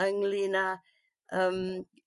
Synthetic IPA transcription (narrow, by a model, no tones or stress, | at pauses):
əŋlina | əm